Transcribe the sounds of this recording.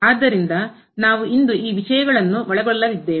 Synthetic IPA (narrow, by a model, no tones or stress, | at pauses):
aːd̪ːɐɾind̪ɐ | naːʋuʔind̪uʔiːʋiʂɐjɐɡɐɭɐnːuʋɐɭɛɡɔɭːɐʋid̪ːeː